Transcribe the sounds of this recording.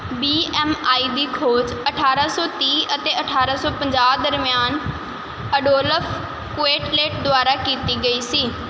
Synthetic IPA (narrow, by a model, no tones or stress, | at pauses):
biːɛːmaːiːd̪iːkʰoːd͡ʒəʈʰaːɾaːsɔːt̪iːʔət̪eːəʈʰaːɾaːsɔːpəɲd͡ʒaːd̪əɾmjaːn | əɖoːləpʰ | kʊeːʈleːʈd̪ʊaːɾaːkiːt̪iːɡəiːsiː